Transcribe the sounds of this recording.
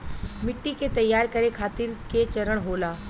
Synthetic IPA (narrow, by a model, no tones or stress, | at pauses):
mɪʈːiket̪ɐjːaːɾkɐɾekʰaːt̪ɪɾket͡ʃɐɾəɽ̃ɦoːlaː